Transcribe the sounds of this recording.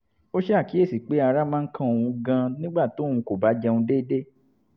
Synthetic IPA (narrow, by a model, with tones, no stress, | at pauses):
o˦ʃe˦a˦˨ki˨˦e˦˨si˨k͡pe˨˦a˧ɾa˦mãː˦kʰã˦o˨ũ˧ɡã˧nĩ˦ɡ͡ba˦˨to˨˦˨ũ˧ko˨ba˨˦d͡ʒɛ˧wũ˧de˦de˦